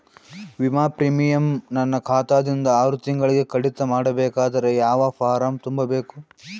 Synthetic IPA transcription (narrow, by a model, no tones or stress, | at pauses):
ʋimaːpɾiːmijɐmnɐnːɐkʰaːt̪aːd̪ind̪ɐaːɾut̪iŋɡɐɭiɡe̞kɐɽit̪ːɐmaːɽɐbɛːkaːd̪ɐɾejaːʋɐpaːɾaːmt̪umbɐbeːku